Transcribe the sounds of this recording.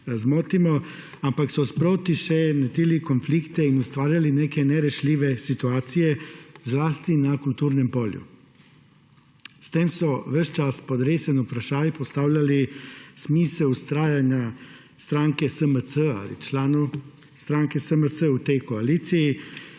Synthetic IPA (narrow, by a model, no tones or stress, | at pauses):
zmoːt̪imɔ | ampaksɔspɾoːt̪iʃɛnɛt̪ilikonflikt̪ɛinust̪ʋaːɾjalineːkɛnɛɾɛʃliːʋɛsit̪uaːt̪sijɛzlaːst̪inakult̪uːɾnɛmpoːljṵ | st̪eːmsɔʋəʃt͡ʃaspɔd̪ɾeːsɛnupɾaʃaːjpɔst̪aːwlʲjalismiːsɛwust̪ɾaːjanja | st̪ɾaːŋkɛsəməsəa̰lḭt͡ʃlaːnu | st̪ɾaːŋkɛsəməsəut̪ɛjkoaliːt̪siji